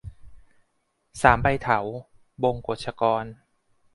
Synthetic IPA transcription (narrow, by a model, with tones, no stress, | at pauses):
saː˩˦mpa˧jt̪ʰa˩˦w | bo˧ŋko˨˩t̪̚t͡ɕʰa˧kɔː˧n